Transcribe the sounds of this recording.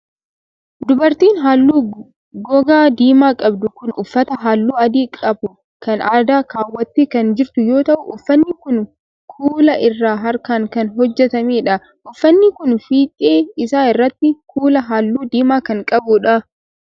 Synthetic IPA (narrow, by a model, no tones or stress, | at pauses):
d̪ʊbɐɾt̪iːnɦaːlːuː | ɡɔɡaːd̪iːmaːkʼɐbd̪ʊkʊnʊfːɐt̪ɐɦaːlːuːɐd̪iːkʼɐbʊ | kɐnaːd̪aːkaːwːɐt̪ːiːkɐnd͡ʒɪɾt̪ʊjo̞ːt̪ɐʔʊʔʊfːɐnːɪkʊn | kʰuːlɐʔɪrːaːɦɐɾkaːŋkɐnɦɔd͡ʒːɛt̪ɐmeːᶑɐ | ʔʊfːɐnːɪkʊnfiːt̪ʼeːɪsaːɪrːɐt̪ːɪkʰuːlɐɦaːlːuːd̪iːmaːkɐŋkʼɐbʊᶑɐ